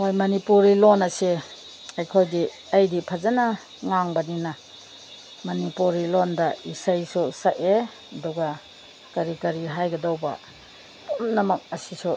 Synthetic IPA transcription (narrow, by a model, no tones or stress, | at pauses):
mojmɐnipuɾilonɐse | ɐjkʰojdi | ɐjdipʰɐzɐnɐ | ŋaŋbɐninɐ | mɐnipuɾilondɐisajsusɐʔe | ɐdɔɡa | kɐɾikɐɾiɦajɡɐdawbɐ̰ | tumnɐmɐk̚ɐsisu